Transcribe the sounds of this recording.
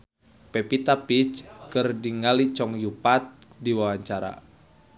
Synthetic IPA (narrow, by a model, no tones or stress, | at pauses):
pɛpit̪apit͡ʃkərdiŋalit͡ʃɔŋjupat̪̚diwawaɲt͡ʃaɾa̰